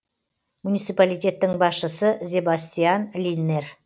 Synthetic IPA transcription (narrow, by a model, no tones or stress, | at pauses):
munijt̪sijpalijt̪ʲe̞t̪ːɪŋbɑsʃəsəzʲe̞basʲt̪ʲijanlʲinːe̞r